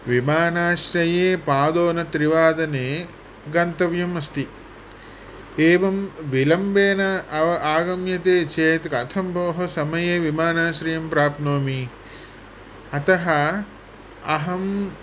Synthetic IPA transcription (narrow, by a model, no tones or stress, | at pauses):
ʋimaːnaːʃɾɐjeːpaːd̪oːnɐt̪ɾiʋaːd̪ɐneː | ɡɐnt̪ɐʋjɐmɐst̪i | eːʋɐmʋilɐmbeːnɐɐʋɐʔaːɡɐmjɐt̪eːt͡ʃeːt̪kɐt̪ʰɐmbʱɐʋɐɦɐsɐmɐjeːʋimaːnaːʃɾijɐmpɾaːp̪noːmi | ɐt̪ɐɦɐ | ɐɦɐm